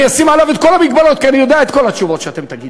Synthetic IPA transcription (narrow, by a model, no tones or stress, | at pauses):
asimalavet̪̚ko̞lamiɡ̚balo̞t̪kianijo̞d̪eaet̪ko̞lhat͡ʃuvo̞t̪ʃeat̪e̞mt̪aɡid̪